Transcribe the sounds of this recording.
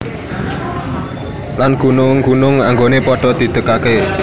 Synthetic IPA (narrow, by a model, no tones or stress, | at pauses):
lanɡ̥unʊŋɡ̥unʊŋaŋɡonepɔɖ̥ɔ̤d̪̥i̤t̪əkake